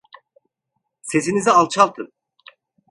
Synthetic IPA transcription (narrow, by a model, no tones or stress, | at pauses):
se̞zinizialˠt͡ʃʰalˠt̪ʰɯm